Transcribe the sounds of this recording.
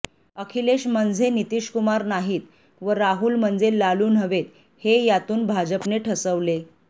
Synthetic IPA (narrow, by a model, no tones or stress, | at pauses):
əkʰileɕmənd͡zʱenit̪iːɕkumaɾnaɦiːt̪ | ʋəɾaɦuːlm̤ənd͡zelaluːnɦəʋet̪ | hejat̪uːnbʱad͡ʑəpneʈʰəsəʋle